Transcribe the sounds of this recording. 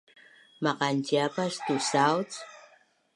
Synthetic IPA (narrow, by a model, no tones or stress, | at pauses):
maqant͡ʃiapast̪usawt͡s